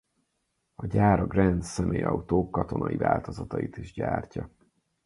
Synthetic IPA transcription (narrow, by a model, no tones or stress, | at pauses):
ɒɟaːɾɒɡrɛnd̪sɛmʔeːjɒut̪oːkːɒt̪o̞nɒjivaːlt̪o̞zɒt̪ɒjit̪iʒɟaːrcɒ